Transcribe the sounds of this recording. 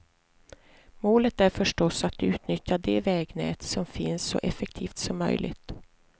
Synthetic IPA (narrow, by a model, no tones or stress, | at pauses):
moːlət̪æɾfœʂʈɔsat̪ʉ̟ːt̪nʏt̪jad̪ɛvɛːɡnɛ̰ːt̪sɔmfɪnsːɔ̰ʔɛfɛkt̪ʰiːft̪sɔmːœ̰jlʔɪ̰ɡt̪